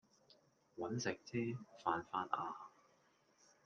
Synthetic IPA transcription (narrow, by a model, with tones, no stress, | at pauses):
wɐ˨˥nsɪ˨k̚t͡sʰiː˥faː˨˧nfaː˥nʔaː˧